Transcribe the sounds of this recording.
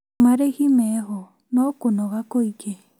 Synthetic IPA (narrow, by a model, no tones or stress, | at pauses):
maɾeɣimɛɦɔ | nɔkonɔɣakoike